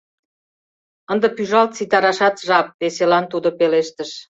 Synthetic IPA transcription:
ənd̪ə̆pyʒɑlt̪̚t͡sit̪ɑɾɑʃɑt̪ʒɑp̚βeselɑnt̪ud̪opeleʃt̪əʃ

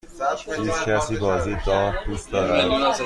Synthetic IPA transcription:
iːskʲʰæsiːbɒːziːd̪ɒːɾd̪uːst̪d̪ɒːɾæd̪

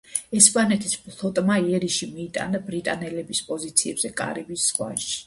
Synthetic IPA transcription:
ɛspʼanɛt̪ʰispʼlˠɔt̪ʼmaiɛɾiʃimiːt̪ʼa̰nabɾit̪ʼanɛlɛbispʼɔzit̪sʰiɛbz̥ɛkʼa̰ɾibisːχwa̰ʃi̥

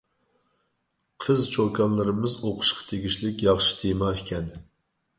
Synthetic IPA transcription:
qʰəzt͡ʃʰokʰɑnlˠɨɾɨmɨzoqʰʊ̥ʃqʰɑ̥t̪ʰeɡʲiʃlɪkʲjɑχʃi̥t̪ʰemɑːikʲɛn

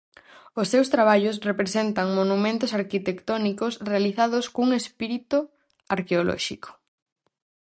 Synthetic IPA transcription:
ʊsːewst̪ɾaβ̞aʎʊs̬repɾesent̪ɐŋmonumẽnt̪ʊsaɾkit̪ekt̪ɔnikosrealiθaðʊskouŋespiɾit̪ʊ | aɾkeolɔ̰ʃikʰo̥

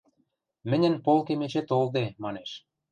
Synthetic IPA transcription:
mɘ̆nʲə̆npolkemet͡ɕet̪old̪emɑneʃ

